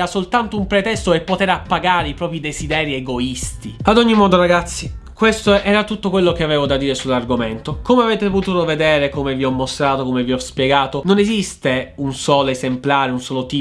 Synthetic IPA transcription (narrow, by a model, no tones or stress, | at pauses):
asolt̪ant̪oumpɾet̪ɛst̪oepːot̪eːɾapːaɡaːɾeipɾɔːpid̪ezid̪ɛːɾieɡoist̪iad̪ɔɲːimɔːd̪oɾaɡat̪sːi | kwest̪oɛːɾat̪ut̪ːokwelːokeavɛːvod̪ad̪ːiːɾesulːarɡoment̪okomeavɛːt̪epot̪uːt̪oved̪ɛːɾekomeviɔmːost̪ɾaːt̪okomeviɔspjeɡaːt̪ononezist̪eunsɔːloezemplaːɾeunsɔːlot̪iː